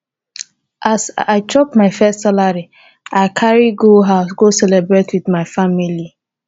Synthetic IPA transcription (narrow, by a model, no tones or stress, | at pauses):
ʔasaɪtʰɹɔpmaɪfɛstsalaɹi | aɪkʰaɹiɡoɦaʊsɡosɛlɛbɹetwiθmaɪfamili